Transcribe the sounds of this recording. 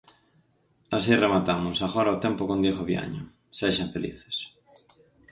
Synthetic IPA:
asiremat̪amʊsaɣɔɾaot̪ɛmpokõnd̪jeɣoβja̰ɲʊ | seʃaɱfelḭθe̥s

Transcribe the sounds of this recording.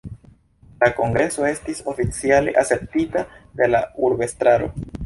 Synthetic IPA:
lako̞ŋɡɾe̞so̞e̞stiso̞fit͡siale̞̰ʔase̞p̚titade̞lauɾbe̞stɾaɾo̞̰

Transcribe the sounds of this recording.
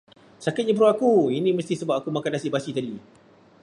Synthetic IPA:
sakɪt̪̚ɲəp̬ɾoakuinĩməst̪isəbap̚akumakanasiʔbasit̪adi

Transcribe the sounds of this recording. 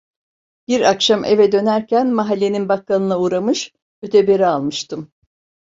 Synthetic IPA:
b̥iɾakʃamevɛd̪ø̞næɾcʰænmaɦalʲːe̞ninbakʰːanɯnauːɾamɯʃ | øt̪ʰɛbeɾialˠmɯʃt̪ʰɯm

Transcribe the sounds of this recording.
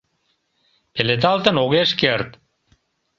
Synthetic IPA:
pelet̪̬ɑlt̪ə̆noɣeʃkeɾt̪

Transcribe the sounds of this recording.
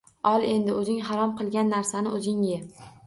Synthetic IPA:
ɒlˠe̞nd̪ɪɵzɪŋɦaɾɒmqɨlˠɡʲanːaɾsanɪɵzɪŋjɪ

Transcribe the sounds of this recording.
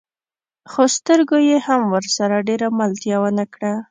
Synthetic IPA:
xost̪əɾɡojehamwəɾsaɾaɖeɾamalt̪jawənakɽa

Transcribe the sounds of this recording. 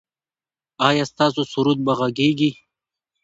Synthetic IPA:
ɑːjɑːst̪ɑːs̬osuɾud̪̚baɣaɡeɡi

